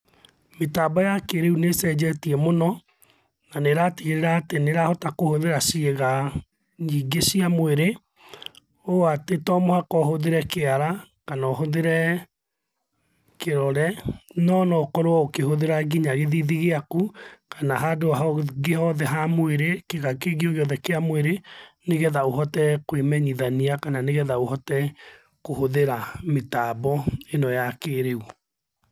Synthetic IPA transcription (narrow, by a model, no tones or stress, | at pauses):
metaːbɔjakeɾeunesɛd͡ʑɛtiɛmonɔ | naneɾatiɣeɾeɾaːteneɾahɔtakohoðeɾasieɣa | iːɡesiamweɾe | oatetɔmɔhakɔɦoðeɾɛkeaɾakanaoɦoðeɾɛ | keɾɔɾɛnɔnɔokɔɾwɔokehoðeɾaɡiɲaɣeðiðiɣeakukanaɦadoaɦɔɡehɔðɛɦamweɾekeɣakeɣioɣeɔðɛkeamweɾeneɣɛðaoɦɔtɛkwemɛɲiðaniakananeɣɛðaohɔtɛ | kohoðeɾametaːbɔenɔjakeːɾeu